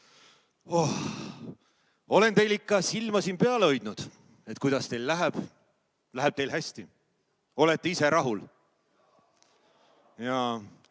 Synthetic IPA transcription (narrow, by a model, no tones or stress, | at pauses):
oh | o̞le̞nt̪e̞jlikːɑsilmɑsiːnpeɑleo̞jd̪̥nud̪̥ | e̞t̪̚ːˑkujd̪̥ɑst̪e̞jlːæɦeb̥ | læɦeb̚t̪e̞jlɦæsʲt̪i | o̞let̪ːˑeise̞ɾɑɦul | jɑ